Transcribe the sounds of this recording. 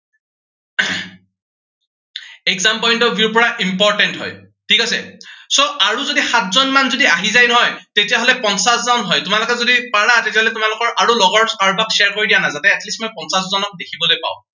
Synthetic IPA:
ɛkzampɔjntɔbiɹpɔɹaʔimpɔɹtɛntɦɔ̰j | tʰikasɛ̰soʔaɹuzodixatʰzɔnmanzodiaɦizajnɔɦɔjtetijaɦolɛpɔnsaszaʊnɦɔjtʊmalʊkɛzodipaɹatetijaɦɔlɛtʊmalʊkɔɹʔaɹulɔɡɔɹsaɹbaksɛaɹkoɹidijanazatɛɛtlistmɔjpɔnsaszɔnɔk̚dekʰibɔlojpa̰ʊ̃

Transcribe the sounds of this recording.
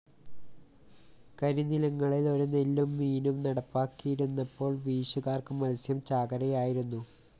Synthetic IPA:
kɐɾinilɐŋːɐɭilo̞ɾunelːumːiːnumnɐɽɐpːaːkːijiɾunːɐpːo̞ːɭʋiːɕuɣaːrkɨmɐlsjɐmt͡ɕaːɡɐɾɐjaːjiɾunːu

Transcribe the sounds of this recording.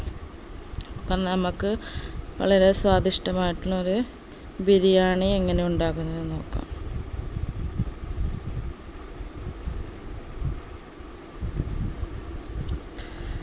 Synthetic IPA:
ɐpːɐmnɐmɐkːɨpɐ̰ɭɐɾe̞saːd̪ʱiʂʈɐmaːjiʈːilo̞ɾu | biɾijaːɳɨeŋːɐne̞uɳɖaːɣunːɐðɨno̞ːkːa̰ːm

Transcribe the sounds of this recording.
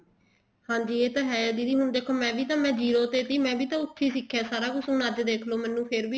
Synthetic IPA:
hãːɲd͡ʒiːeːt̪ãːɦɛːjad̪iːd̪iːɦʊnd̪eːkʰoːmɛ̃ːʋiːt̪ãːmɛ̃ːd͡ʒiːɾoːt̪eːt̪iːmɛ̃ːʋiːt̪ãːʊt̪ʰːiːsɪkʰːɛːsaːɾaːkʊsũːnaːd͡ʒd̪eːkʰloːmɛ̃ːnũːpʰeɾbiː

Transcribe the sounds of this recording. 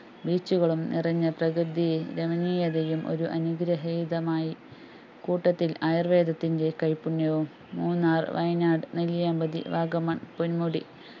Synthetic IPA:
biːt͡ɕːuɣɐɭumnḭrɐɲːɐprɐkrɨd̪iɾemɐniːjɐðejumʔo̰ɾuʔɐnuɡɾɐɦɐjd̪ɐmaːji | kuːʈːɐt̪ːilɐjrʋe̞ːd̪ɐt̪ːinde̞kɐjpːunːɐʋumːuːnːaːr̰ʋɐjnaːɖɨneljaːmbɐd̪ḭʋaːɡɐmɐɳponmuɽḭ

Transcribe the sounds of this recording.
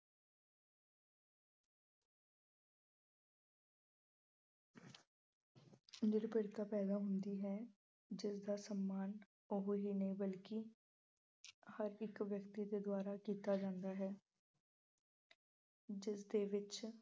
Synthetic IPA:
nɪɾpɪɾt̪aːpɛːd̪aːɦʊnd̪iːɦɛː | d͡ʒɪsd̪aːsəmːaːn | ʊɦɦiːnəĩːbəlkɪ | həɾɪkʋjəkt̪iːd̪eːd̪ʊaːɾaːkiːt̪aːd͡ʒãːnd̪aːɦɛː | d͡ʒɪsd̪eːʋɪt͡ʃ

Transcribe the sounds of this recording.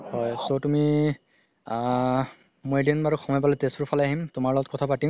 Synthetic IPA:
hɔjsotumi | mojdinbaɹukʰɔmɔjp̬alɛtestʊɹpʰaljaɦimtʊmaɹlɔɡɔt̚kɔtʰapatim

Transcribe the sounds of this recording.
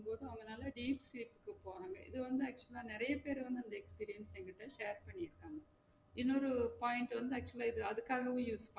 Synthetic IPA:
mpoːðɯɐʋɐŋɡɐnaːlɐɖiːpsliːpːɯ̥kːɯpoːɾaːŋɡɐɪ̰ðɯʋɐnd̪ɯɐːk̚t͡ʃʊɐlaːnɪɾɐjɐpeːɾʋɐnd̪ɯɐnd̪ɐɛkspiːɾɪjɐnsɛŋɡɐʈːɐʃeːɐɾpɐɳːiɪɾɯkːaːŋɡɐ | ɪnːoɾɯpaːjɪɳʈʋɐnd̪ɯɐːk̚t͡ʃʊlaːɪðɯɐðɯkːaːɣɐʋũːjuːspa

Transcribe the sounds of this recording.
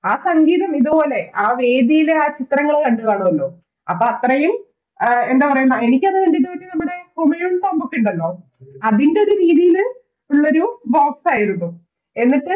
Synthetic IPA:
aːsɐŋɡiːðɐmiðupo̞ːle̞aːʋe̞ːðijileaːt͡ɕit̪rɐŋːɐɭkɐɳɖuðaːɳuɐlːoː | ɐpːoːɐt̪rɐjum | e̞nd̪epɐrɐjunːɐe̞nik̬ʲːɐnːɐɐndinːuʋɐtːinɐmːuɽe̞kumijumt̪ɐmbukʲːiɳɖɐlːo̞ː | ɐðinɖe̞oɾuɾiːðijil | uɭːoɾuboːksaːjiɾunːu | e̞nːiʈːɨ

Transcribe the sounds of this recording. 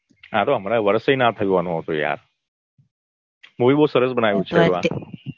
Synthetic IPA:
ɦãt̪oɦəmaɾaʋəɾsenat̪ʰəjũʋanũɦət̪ũja̰ɾ | muʋiboɦusəɾəsbənaʋjũt͡ʃʰeoa

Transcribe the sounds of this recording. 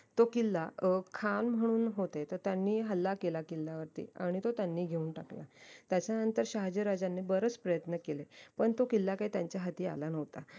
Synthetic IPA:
t̪okilːakʰanm̤əɽ̃uːnɦot̪et̪əɾt̪janːiːɦəlːakelakilːaʋəɾt̪ḭːaɽ̃it̪ot̪janːiːɡʱeuːnʈakla̰t̪jat͡ɕjanənt̪əɾɕaɦd͡ʑiɾad͡ʑanːebəɾət͡spɾəjət̪nəkelepəɳt̪okilːakaiːt̪jaɲt͡ɕjaɦat̪iːa̰lanəʋt̪a

